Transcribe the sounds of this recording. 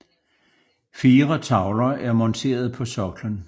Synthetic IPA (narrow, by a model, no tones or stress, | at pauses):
fiːʁɐt͡sʰɑ̈ʊlɐʔæɐmɒnt͡sʰe̝̰ːɐð̞̩ˠpʰɒ̽sɒ̽ɡ̥lən